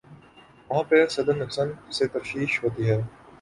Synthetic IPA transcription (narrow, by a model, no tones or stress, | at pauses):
ʋɐɦãːpesɐd̪ənːʊksənset̪ɐfʃiːʃɦoːt̪iːɦɛː